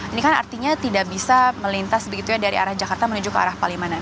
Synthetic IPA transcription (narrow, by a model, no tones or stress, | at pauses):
inikana̰rt̪iɲat̪idaʔbisaməlint̪asbəɡit̪ujadaɾḭa̰ɾahd͡ʒakart̪amənud͡ʒʊkːəa̰ɾahpalimanan